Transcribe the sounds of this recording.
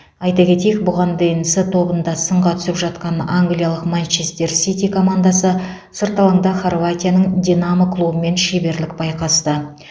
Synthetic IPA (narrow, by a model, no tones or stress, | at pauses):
ɑjt̪ɑkʲʰe̞t̪ejek̚bʊʁɑnd̪ejɪnsət̪ʰo̞bənd̪ɑsəɴʁɑt̪ʰʏ̥sɪpʒɑt̪qɑnaŋɡlʲijalˠəqmant͡ʃest̪e̞ɾsit̪ʲikʰo̞mand̪asə | səɾt̪ɑlˠɑɴd̪ɑχorvat̪ʲijanəɴd̪ʲinaməklˠubəme̞nʃebe̞ɾlɪk̚bɑjqɑst̪ə